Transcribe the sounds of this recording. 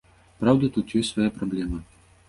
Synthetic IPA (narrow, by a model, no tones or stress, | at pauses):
pɾawd̪ɐt̪ut̪jɔsʲsvajapɾɐblʲɛmɐ